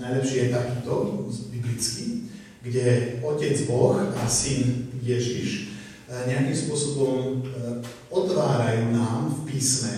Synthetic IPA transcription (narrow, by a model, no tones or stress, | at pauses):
najlɛpʃiːjɛt̪akiːt̪ɔbiblit͡ski | ɡɟɛɔcɛd͡zbɔxasinjɛʒiʃ | ɲɛakimspʊɔsɔbɔm | ɔt̪ʋaːɾajuːnaːmfpiːsmɛ